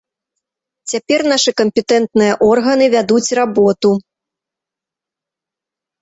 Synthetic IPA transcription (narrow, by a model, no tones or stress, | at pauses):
t͡sʲapʲɛrn̪aʂɨkɐmʲpʲɛt̪ɛnt̪nɨjɐʔɔrɣɐnɨvʲad̪ut͡sʲrabɔt̪u